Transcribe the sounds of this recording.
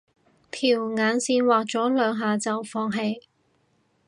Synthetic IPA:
t̪ʰiː˨˩wŋaː˨˧nsiː˧nwaː˨k̚t͡sɔː˨˥lœː˨˧ŋɦaː˨˧t͡sɐ˨wfɔː˧ŋɦe˧j

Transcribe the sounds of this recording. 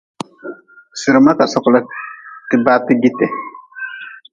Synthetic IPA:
sɨ˨ɾma˦ka˨sɔ˨kla˦ki˦ba˦ti˦ɡi˦tɛ˨

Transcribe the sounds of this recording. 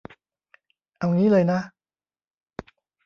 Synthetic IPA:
ʔa˧wŋiː˦˥lɤː˧jna˦˥

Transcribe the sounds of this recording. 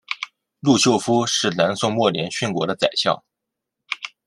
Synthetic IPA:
lu˥˧t͡ɕɕʰjo˥˩ʊfu˥ʂɻ̩˥˩na˧˥nsʊ˥˧ŋmwɔ˥˩ljɛ˧˥nɕy˥˩nkwɔ̰˧˥ɾə˧t͡sa˨˩ɪɕjɑ̰˥˩ʊ

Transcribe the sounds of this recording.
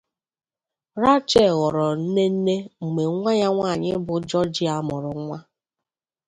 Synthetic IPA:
ɾa˦t͡ʃe˦˨ɣɔ˨ɾɔ˨n̩˦ne˦n̩˦ne˦ŋ͡m̩˨me˨˦ŋʷa˦ɲa˦ŋʷa˦˨ɲɪ˦bʊ˨d͡ʒɔ˦d͡ʒɪ˦a˦mʊ˨ɾʊ˨˦ŋʷa˦

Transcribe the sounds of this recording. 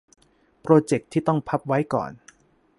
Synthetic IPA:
pɾoː˧t͡ɕe˨˩k̚t̪ʰːiː˥˩t̪ɔ˥˩ŋpʰa˦˥p̚wa˦˥jkɔ̰ː˨˩n

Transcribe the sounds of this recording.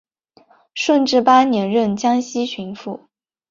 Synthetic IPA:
ʂwə˥˧nʈ͡ʂɻ̩˥˧pa˥njɛ˧˥nɻə˥˩nt͡ɕjɑ˥ŋɕi˥t͡ɕʰy˧˥nfu˥˩

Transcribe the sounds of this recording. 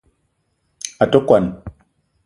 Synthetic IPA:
a˨to˦kwa˨n

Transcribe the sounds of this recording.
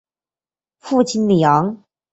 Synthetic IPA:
fu˥˩t͡ɕʰi˥nljɑ˧˦ŋ

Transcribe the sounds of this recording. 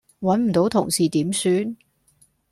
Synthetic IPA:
wɐ˨˥nm̩˨˩t̪o˨˥wt̪ʰʊ̰˨˩ŋsiː˨t̪iː˨˥msyː˨˥n

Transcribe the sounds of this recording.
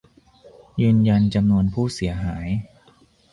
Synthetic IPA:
jɯː˧nja˧nt͡ɕa˧mnu˧ənpʰuː˥˩si˩˦ɐɦaː˩˦j

